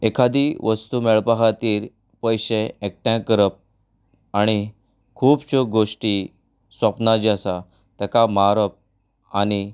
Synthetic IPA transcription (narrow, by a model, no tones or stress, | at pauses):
ekʰad̪iʋəst̪umɛɭpaɦat̪iːɾ | pəjɕeek̚ʈãkəɾəp̚ | aɽ̃i | kʰuːbɕoɡoʂʈi | səpnad͡ʑasa | t̪ɛkamaɾəp̚ | añi